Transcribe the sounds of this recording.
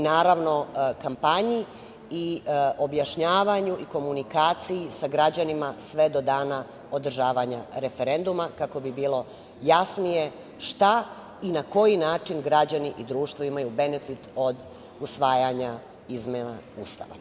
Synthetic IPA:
naːɾaʋno̞kampaɲi | io̞bjaʃɲaːʋaɲuʔiko̞munikaːt̪sijisaɡɾad͡ʑanimasʋe̞d̪o̞d̪aːna | o̞d̪r̩ʒaːʋaɲaɾe̞feɾe̞nd̪umakako̞bibiːlo̞ | jasnije̞ | ʃt̪a | inako̞jinaːt͡ʃinɡɾad͡ʑaniʔid̪ɾuːʃt̪ʋoimajube̞ne̞fit̪o̞d̪ | usʋaːjaɲa | izmena | uːst̪a̰ʋa̰

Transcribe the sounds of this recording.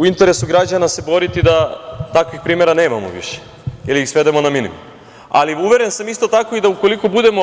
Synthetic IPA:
uint̪e̞ɾe̞suɡɾad͡ʑanase̞bo̞ɾit̪id̪at̪akʋixpɾiːme̞ɾane̞ːma̰mo̰ʋḭʃe̥ | iliixsʋe̞d̪e̞mo̞naminḭmṵm | a̰liuʋe̞ɾe̞nsamist̪o̞t̪ako̞id̪auko̞liko̞bud̪e̞mo̞

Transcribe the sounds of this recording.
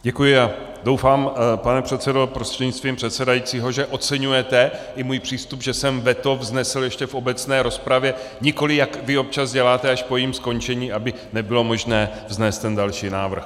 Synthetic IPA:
ɟɛkujɪa | do̞wfaːmpanɛpr̝̥ɛt̪t͡sɛdo̞pɾostr̥ɛdɲɪt͡st̪viːmpr̝̥ɛt̪sɛdajiːt͡siːɦo̞ʒɛʔo̞t͡sɛɲujɛt̪ɛʔɪmuːjpr̥iːst̪upʒɛsɛmvɛt̪ovznɛsl̩jɛʃcɛfo̞bɛt͡snɛːɾo̞spɾavjɛɲɪko̞lɪjakvɪo̞p̚t͡ʃazɟɛlaːt̪ɛaʃpojiːmsko̞ɲt͡ʃɛɲiːabɪ | nɛbɪlo̞mo̞ʒnɛː | vznɛːst̪ːɛndalʃiːnaːvr̩x

